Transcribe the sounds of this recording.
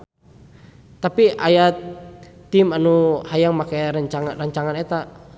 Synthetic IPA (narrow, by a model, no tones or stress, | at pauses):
t̪apiʔajat̪ːimanuhajaŋmakajɾaɲt͡ʃaŋaraɲt͡ʃaŋanet̪a